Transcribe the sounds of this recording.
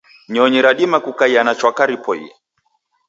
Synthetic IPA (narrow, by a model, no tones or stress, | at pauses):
ɲɔɲiɾaɗimakukaianat͡ʃwakaɾipɔḭa